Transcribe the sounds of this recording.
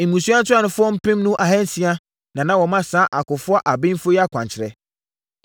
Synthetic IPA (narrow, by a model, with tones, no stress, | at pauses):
e˨mũ˨su˦a˦n˦tʰʊ˦a˦˨nʊ̃˨fʊ˦ɔ˦m̩˦pɪ̃˦mnũ˦ʔa˨hɛ̃˦n̩˦si˦a˦ | nã˨nã˨wɔ˨mã˦sãː˦ʔa˨kʊ˨fʊ˦a˦ʔa˨bɪ̃˦n˦fʊ˦jɛ˦a˦kʰʷã̰˨ɲt͡ɕʰɪ˨ɾɛ˦